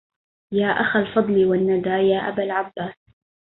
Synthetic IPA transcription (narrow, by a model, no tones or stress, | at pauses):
jaːʔaxalfɑd̪ˤliːwanːad̪aːjaːʔa̰balʕabːaːs